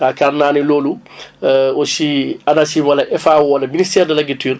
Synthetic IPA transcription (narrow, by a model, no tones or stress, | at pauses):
kakaɾnaːnilolu | osianasiwalaʔɛfawwɔlaministɛːɾdɛlaɡityɾ